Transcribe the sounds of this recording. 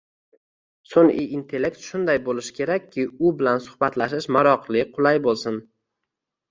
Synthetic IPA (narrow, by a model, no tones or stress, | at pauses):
soŋɪint̪ʰe̞lːe̞kt̪ʃʊnd̪ajbolɪʃkʲʰe̞ɾakʲʰːɪʊbɪlansʊ̥hbat̪laʃɪʃmaɾɒqʰlˠɪqʰʊlˠajbolˠsɪn